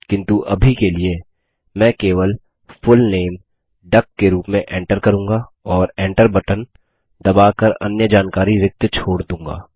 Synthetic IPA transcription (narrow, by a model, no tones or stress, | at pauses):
kɪ̃nt̪uʔɐbʱikelie | mɛ̃ːkeːʋəl | fʊlneːm | ɖɐkːeɾuːpmẽʔẽːɳʈəɾkɐɾũːŋɡa | ɔːɾẽːɳʈəɾbɐʈən | d̪ɐbaːkɐɾɐ̰njəd͡ʒaːnkaːɾiɾɪk̚t̪t͡ʃʰoːɽd̪ũːŋɡa̰ː